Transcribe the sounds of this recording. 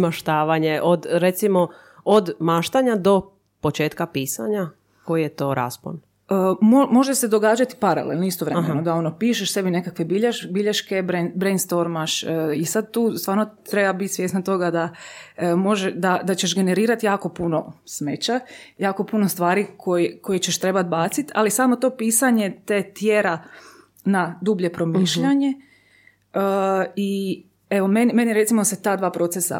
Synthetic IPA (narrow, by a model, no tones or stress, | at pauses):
maʃt̪aːʋaɲeʔod̪ɾet̪simo | od̪maʃt̪aɲad̪o̞ | pot͡ʃe̞ːt̪kapiːsa̰ɲa | ko̞jijet̪o̞ːɾa̰spo̰n | əmomo̞ʒesed̪o̞ɡaːd͡ʒat̪i̥paɾa̰lḛlnoist̪oʋɾemenod̪ao̞nopiːʃeʃse̞bine̞kakʋe̞biʎeʃbiʎeʃke̞bɾebɾejnd̪st̪o̞ɾmaʃisad̪̚t̪uːst̪ʋaːɾnot̪ɾebabit̪ʲsʋje̞ːsnat̪o̞ɡad̪a | mo̞ʒed̪ad̪at͡ɕeʃɡe̞ne̞ɾiːɾat̪jaːko̞puno̞̰smet͡ɕajaːko̞punost̪ʋaːɾikʰojeko̞jet͡ɕeʃt̪ɾebat̪̚baːt̪sit̪alisaːmo̞t̪o̞piːsaɲe̞t̪et̪jeɾa | nad̪ubʎe̞pɾo̞miːʃʎaɲe̞ | əi | eʋo̞menime̞njeɾe̞t̪simoset̪aːd̪ʋaːpɾo̞t̪sesa̰